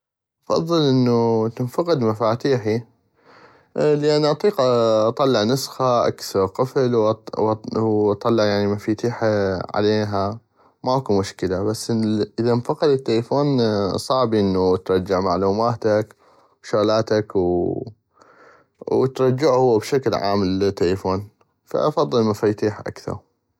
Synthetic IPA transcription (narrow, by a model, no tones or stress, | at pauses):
ʔɑfɑ̰ðˤːɨlʔɪnːut̪ɪnfɑqɪd̪mafaːt̪iːħi | lɪʔanːʔɑt̪ˤiːqʔʔɑt̪ˤɑlːɪʕnɨsxaʔa̰kθɑɾˤqɨflwwʔɑt̪ˤːɑlːɪʕjaʕnimafiːt̪iːħaʕa̰leːɦa | makumʊʃkɪlabasːʔəðanfɑqɑd̪ɪt̪ːelfoːnsˤɑʕbiʔɪnːut̪ɾˤɑd͡ʒːɪʕmaʕluːmaːt̪ak | wʃaɣlaːt̪akw | wt̪ɾˤɑd͡ʒːɪʕhʊːbʃaklʕa̰ːmlt̪ːelfoːn | fa̰ʔɑfɑðˤːɨlmafat̪iːħʔa̰kθɑ̰ɾˤ